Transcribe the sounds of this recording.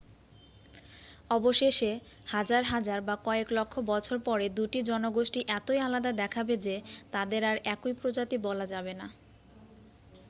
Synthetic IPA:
ɔboʃeʃe | had͡ʑaɾɦad͡ʑaɾbakɔeklokʰːobɔt͡ɕʰoɾpɔɾed̪uʈid͡ʑɔnoɡoʃʈiʔɛt̪ojalad̪ad̪ɛkʰabed͡ʑet̪ad̪eɾaɾɛkojpɾod͡ʑat̪ibɔlad͡ʑabena

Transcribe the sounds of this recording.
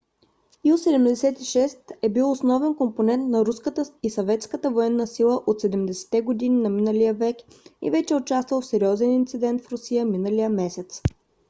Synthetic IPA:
ilˠsɛd̪ɛmd̪ɛsɛt̪iʃɛst̪ɛbilˠosnɔvɛnkomponɛnt̪nɐɾuskət̪əisɐvɛt̪skət̪əvoɛnːəsilˠəʔot̪sɛd̪ɛmd̪ɛsɛ̥t̪ɛɡod̪ininɐminəlijəvɛk | ḭvɛt͡ʃɛʊt͡ʃast̪vəlˠfsɛɾiɔzɛnint̪sid̪ɛnt̪fɾʊsijəminəlijəmɛsɛt̪s

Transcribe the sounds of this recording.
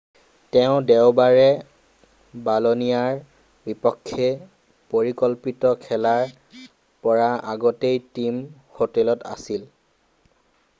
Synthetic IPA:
tɛʊ̃dɛʊbaɹɛ | balonijaɹ | bipɔkʰːe | poɹikɔlpitɔkʰɛlaɹ | pɔɹaaɡɔtejtim | hotɛlɔta̰sil

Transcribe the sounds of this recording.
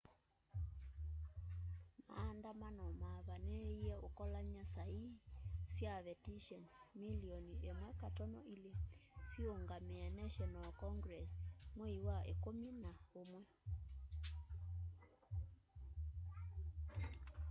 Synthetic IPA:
ma̰ndamanɔmaβanɛiɛokɔlaɲasaisjaβɛtiʃɔnmiliɔniemwɛkatɔnɔʔilesioŋɡamɛanaʃɔnalkɔŋɡɾɛsmweiwaekominaomwɛ

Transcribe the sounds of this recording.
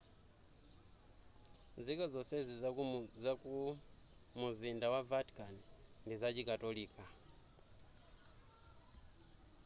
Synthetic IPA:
zikɔzɔsɛzizaku | muzindawavatkʼanndizat͡ʃikatoliːkʼa

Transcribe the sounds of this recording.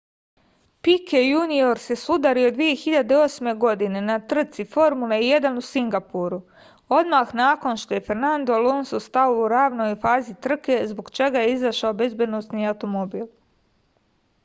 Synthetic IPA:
pikʰejunio̞ɾse̞sud̪aɾio̞d̪ʋije̞xiʎad̪eo̞ːsme̞ɡo̞d̪ine̞nat̪r̩t̪sifo̞ɾmuleijed̪anusiŋɡapuɾu | o̞d̪maːxnaːko̞nʃt̪o̞je̞fe̞ɾnand̪olonsust̪aouɾaːʋno̞jfaːzit̪r̩ke̞zboɡt͡ʃe̞ɡajeizaʃaobe̞zbje̞d̪no̞sniawt̪o̞mobiːlˠ

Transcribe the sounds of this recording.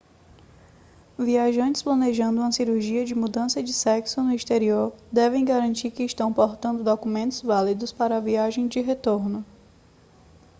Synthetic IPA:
viaʒɐ̃nt͡ʃɪ̥splɐ̃neʒɐ̃nd̪ʊũmɐsiɾuɾʒiɐd͡ʒɪmud̪ɐ̃sɐd͡ʒɪsɛksʊnʊist̪eɾioɾd̪ɛvẽj̃ɡaɾɐ̃nt͡ʃiɾkɪːʃt̪ɐ̃w̃poɾt̪ɐ̃nd̪ʊd̪okumẽnt̪ʊzvalid̪ʊspaɾɐɐviaʒẽj̃d͡ʒɪɦet̪oɾnʊ

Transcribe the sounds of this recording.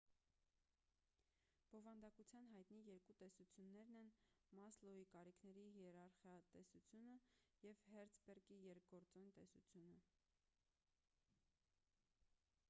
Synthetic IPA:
b̥ɔvɑnd̪ɑkut͡sʰjɑnɦɑjt̪nijɛɾkut̪ɛsut͡sʰjunːɛɾnɛnmɑslɔikɑɾikʰnɛɾihɛɾɑɾχjɑt̪ɛsut͡sʰjunəjɛvhɛɾt͡sʰbɛrkijɛɾk̚ʰɡɔɾt͡sɔnt̪ɛsut͡sʰjunə

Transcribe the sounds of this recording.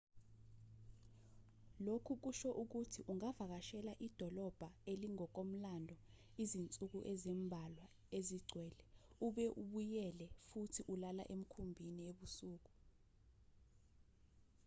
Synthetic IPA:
lokʰuk̬uʃɔʔuk̬utʰiʔuŋavak̬aʃɛlaʔid̥ʱɔlɔb̥ʱaeliŋɔk̬om̩landʱɔ | izint͡sʼuk̬uʔezimbʱalwa | eziɡ͡ǀʱwɛːlɛuɓɛʔuɓujɛlɛfutʰiʔulala̰ʔem̩kʰumbʱinieɓusuːk̬u

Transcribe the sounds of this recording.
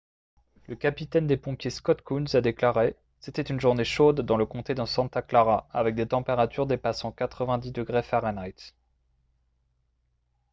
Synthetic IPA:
ləkapit̪ɛnd̪epɔ̃pjeskɔt̪̚kunzad̪eklaʁe | set̪ɛt̪ynʒuʁneʃod̪ːɑ̃ləkɔ̃t̪ed̪ə̃sɑ̃t̪aklaʁaavɛk̚d̪et̪ɑ̃peʁat̪yʁd̪epasɑ̃kat̪χəvɛ̃d̪id̪əɡʁefɛʁanajt̪

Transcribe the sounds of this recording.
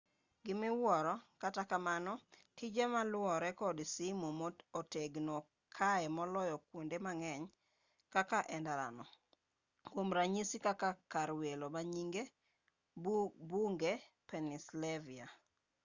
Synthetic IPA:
ɡɪmɪwwɔɾɔkatakamanɔtʰid͡ʒemalʊwɔɾɛkɔdsimomooteɡnɔ | kʰaɛmɔlɔjɔkwondemaŋɛɲ | kakaʔɛndaɾa̰nɔ | kwomɾaɲisikakakaɾwelomaɲiŋɡe | buŋɡepɛnislɛvia

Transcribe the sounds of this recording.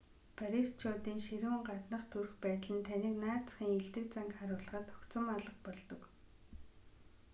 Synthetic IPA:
pʰaɾist͡ɕʰɔːt̪iːŋʃiɾɘ̆w̆ɴɢat̪nə̆χt̪ʰur̆xpæːt̪̆ɮɘ̆nt̪ʰaniːknaːt͡s̆χiːŋeɮt̪ɘ̆kt͡saŋkχaɾʊːɮə̆ʁə̆t̪ɔkt͡sə̆maɮə̆qpɔɮt̪ɞ̆k

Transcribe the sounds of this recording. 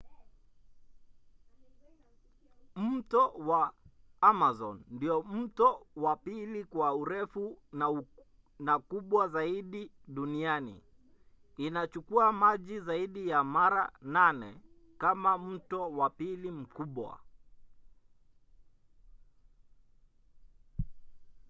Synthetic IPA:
m̩tɔwa | amazɔ̰nːdiɔm̩tɔwapilikwauɾɛfuna | nakuɓwazaiɗiɗunianḭː | nat͡ʃukuamaʄizaiɗijamaɾa̰nanɛ̰ | kamam̩tɔwapilim̩kuɓwa̰

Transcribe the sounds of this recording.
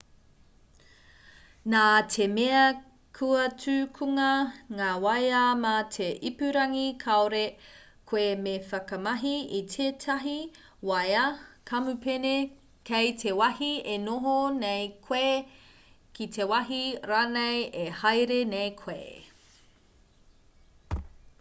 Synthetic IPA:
naːtʰemeɐ | kʰuɐt͡sʉkʰuŋɐŋaːwɐjamatʰeʔipʉɾɐŋikʰɐoɾe | kʰoemefɐkɐmɐɦiitʰeːtʰɐɦi | wɐjɐkʰɐmupene | kejtʰewɐhienoɦonejkʰwe | kitʰewɐɦiɾaːnejehɐjɾenejkʰweː

